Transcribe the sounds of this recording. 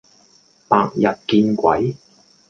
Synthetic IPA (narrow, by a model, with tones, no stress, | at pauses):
paː˧k̚jɐ˨t̚kiː˧nkʷɐ˨˥j